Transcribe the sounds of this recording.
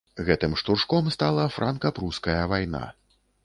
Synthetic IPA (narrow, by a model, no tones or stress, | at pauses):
ɣɛt̪ɨmʂt̪urʂkɔmst̪alˠɐfɾʔankɐpɾuskɐjɐvajn̪a̰